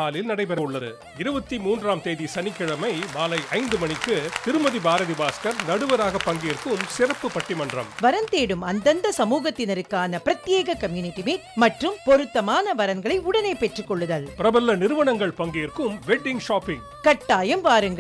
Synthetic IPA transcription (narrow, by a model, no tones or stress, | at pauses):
aːlɪlnɐɽɐɪpɛɾɐɯɭːɐðɯ̰ | ɪɾɯbɐt̪ːimuːndraːmt̪eːðisɐnɪkːɪɻɐmɐɪmaːlɐɪʔɐɪnd̪ɯmɐɳɪkːɯt̪ɪɾɯmɐðibaːɾɐðibaːskɐɾnɐɽɯʋɐɾaːɣɐpːɐŋɡeːrkɯmsɪɾɐpːɯpɐʈːimɐndrɐ̰mʋɐɾɐnt̪eːɽɯmɐnd̪ɐnd̪ɐsɐmuːɣɐt̪ːɪnɐɾɯkːaːnɐpɪɾɐt̪ːɪjeːɣɐkːɐmjuːnɪʈːimeːmɐʈrɯmpɔɾɯt̪ːɐmaːnɐʋɐɾɐŋɡɐɭɐɪʊɽɐneːpɛʈrɯkːɔɭːɯðɐlpɪɾɐbɐlːɐnɪɾɯʋɐɳɐŋɡɐɭpɐŋɡeːrkɯmʋɛɖːɪŋɡʂaːpːɪŋ | kɐʈːaːjɐmʋaːɾɯŋɡɐ